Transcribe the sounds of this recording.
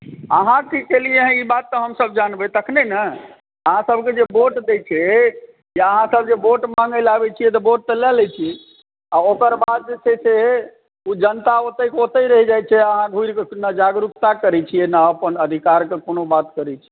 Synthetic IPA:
ə̰ɦãkikelijeɦibat̪ːəɦəmsəbd͡ʒanbɛt̪əkʰnenə | əɦãsəbʱked͡ʒeboʈd̪et͡ʃʰɛ | jaəɦãsəb̚d͡ʒeboʈmãŋɡəlabɛt͡ʃʰijɛt̪̬ɔboʈ̚t̪əlɛlɛt͡ʃʰiɛ | aokəɾbad̪̚d͡ʒesʰɛsʰe | ud͡ʒənt̪aot̪əjkeot̪əɾəɦid͡ʒajt͡ʃʰɛəɦãɡʱuiɾkenəd͡ʒaɡɾukt̪akəɾɛt͡ʃʰijɛnəəpənəd̪ʱikaɾkekonobat̪kəɾɛt͡ʃʰɛ̥

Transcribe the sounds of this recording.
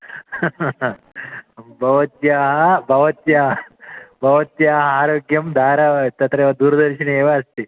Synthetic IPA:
bʱɐʋɐt̪jaːɦɐbʱɐʋɐt̪jaɦbʱɐʋɐt̪jaːɦɐaːɾoːɡjɐmd̪ʱaːɾaʋt̪ɐt̪ɾɐeʋɐd̪uːɾd̪ɐɾɕineʋɐɐst̪i

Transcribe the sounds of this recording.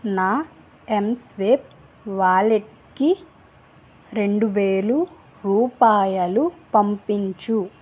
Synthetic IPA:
naː | emsʋeːp̚ | ʋaːɭe | kːi | ɾe̞ɳɖuʋeːlu | ɾuːpaːjɐlupɐmpiɲt͡ʃu

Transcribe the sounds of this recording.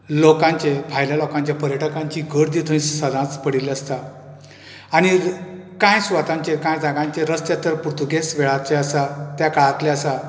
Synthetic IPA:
lokãɲt͡ɕepʰajljalokãɲt͡ɕjapəɾjəʈʰəkaɲt͡ɕiɡʱəɾd̪it̪ʰəĩssəd̪ʱãt͡spəɽiləst̪a | aɽ̃ikãjsʋat̪ãɲt͡ɕekãjd͡zaɡãɲt͡ɕeɾəst̪et̪əɾpuɾt̪ʰuɡesʋeɭat͡ɕeəsat̪jakaɭat̪leəsa

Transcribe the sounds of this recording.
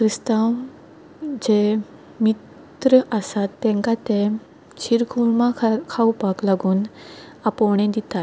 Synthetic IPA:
kɾist̪ãw | d͡ʑe | mit̪ | ɾəʔəsat̪ːẽŋkat̪e | t͡ɕʰiɾkʰuɭmakʰawpaklaɡuːn | apɔɳ̃ẽd̪it̪a

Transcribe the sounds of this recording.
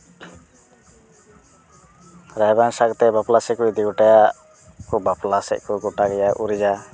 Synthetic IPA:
ɾajbansaɡ̚t̪ɛbaplasɛkuid̪iɡɔʈajaʔ | kɔbaplasɛ̰ʔkɔɡɔʈaɡɛjaʔuɾid͡ʒa

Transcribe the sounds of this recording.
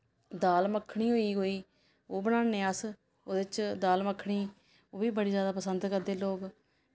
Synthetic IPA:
d̪aːlməkʰːɽiːɦoːiːɦoːiː | oːbənãːnẽːəs | oːd̪ɪt͡ʃd̪aːlməkʰːɽ̃iː | oːbiːbəɽiːzjaːd̪aːpəsənd̪kəɾd̪eːloːɡ

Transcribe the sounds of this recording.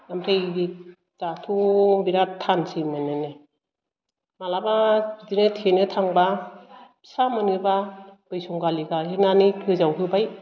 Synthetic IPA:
amtʰeji | tatʰubiɾatʰansimɯnɯne | malababidinɯtʰenɯtʰaŋba | samɯnɯbab̥ɯjsuŋɡaliɡaɦenanikʰɯzawtʰɯbaj

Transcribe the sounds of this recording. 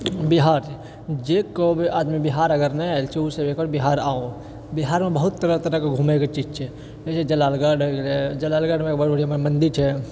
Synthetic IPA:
biɦaːɾ | d͡ʒekobaːd̪mibiɦaːɾəɡəɾnɛɛlt͡ʃʰeusebekɔːɾbiɦaːɾaːõ | biɦaːɾmẽbəɦʊt̪ːəɾət̪əɾəkeɡʱuːmeket͡ʃiːd͡ʒt͡ʃʰɛ | et͡ʃʰed͡ʒɐlaːlɡaɖed͡ʒəlaːlɡaɽmẽkbbəɽimənd̪it͡ʃʰɛ

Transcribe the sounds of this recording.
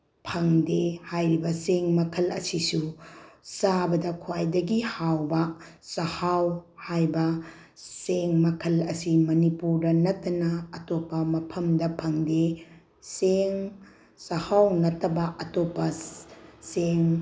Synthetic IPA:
pʰɐŋdehajɾibɐseŋmɐkʰɐlɐ̰sisu | sabɐdɐkʰwajdɐɡihawbɐ | sɐhawhajbɐ | seŋmɐkʰɐlɐsimɐnipuɾdɐnɐtːɐnɐːtopːɐmɐpʰɐmdɐpʰɐŋde | seŋ | sɐhawnɐtːɐbɐʔɐtopːɐ | seŋ

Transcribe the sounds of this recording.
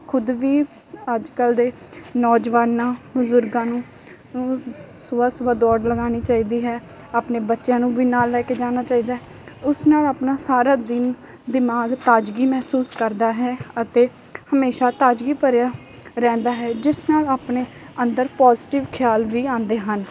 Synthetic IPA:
kʰʊd̪ʋiː | əd͡ʒkəld̪eː | nɔːd͡ʒʋaːnːãːbʊzʊɾɡãːnũː | sʊbaːsʊbaːd̪ɔːɖləɡaːniːt͡ʃaːiːd̪iːɦɛː | aːpneːbətːʃjãːnũːʋiːnaːlːɛːkeːd͡ʒaːnaːt͡ʃaːiːd̪aːɦɛ | ʊsnaːlaːpnaːsaːɾaːd̪ɪn | d̪ɪmaːɡt̪aːd͡ʒɡiːmɛːsuːskəɾd̪aːɦɛːət̪eː | həmeːʃaːt̪aːd͡ʒɡiːpəɾjaː | ɾɛ̃ːnd̪aːɦɛːd͡ʒɪsnaːlaːpneː | ənd̪əɾpaːzɪʈɪʋkʰjaːlʋiːãːnd̪eːɦən

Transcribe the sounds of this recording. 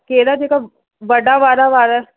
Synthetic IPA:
keːɾad͡ʒeːka | ʋɐɖaʋaːɾaʋaːɾa

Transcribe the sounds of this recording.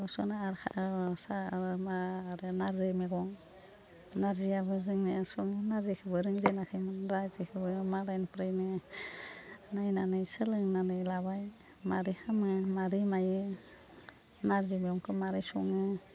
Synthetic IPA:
ɔsɔnaaɾkʰa̰ʔsaɾmaaɾɯnaɾzejmeɡɔŋ | naɾzijabɯzɯŋniasɔŋɯnaɾzekʰɯbɯɾɯŋzejnakʰɯjmɯnɾazekʰɯbɯmaɾajnpɾajnɯ | najnanɯjsɯlɯŋnanɯjlabaj | maɾihamɯmaɾimajɯ | naɾzejmeɔŋkʰɯmaɾijsɔ̰ŋɯ

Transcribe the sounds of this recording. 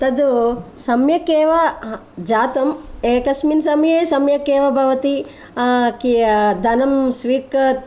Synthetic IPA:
t̪ɐd̪usɐmjɐkeːʋɐ | d͡ʒaːt̪ɐmeːkɐsminsɐmjeːsɐmjɐkeːʋɐbʱɐʋɐt̪i | kid̪ʱɐnɐmsʋiːkɐ

